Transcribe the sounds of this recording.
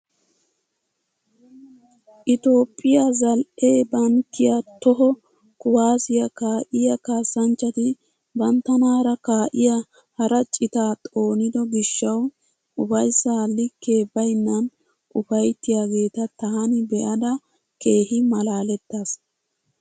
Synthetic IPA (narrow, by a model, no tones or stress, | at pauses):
ʔɪt̪o̞ːpʼːɪjazɐlʔe̞ːbɐnt̪ːɪjat̪ɔɦɔ | kʊwaːsɪjɐkaːʔɪjɐkaːsːɐnt͡ʃːɐt̪ɪ | bɐnt̪ːɐnaːɾɐkaːʔɪjɐ | hɐɾɐt͡ʃʼɪt̪aːt̪ʼo̞ːnɪd̪ɔɡɪʃːɐw | ʔʊfɐjsːalːɪkːe̞ːbɐjnːɐn | ʔʊfɐjt̪ːɪjaːɡe̞ːt̪ɐt̪aːnɪbɛʔɐd̪ɐ | ke̞ːɦɪmɐlaːlɛt̪ːaːs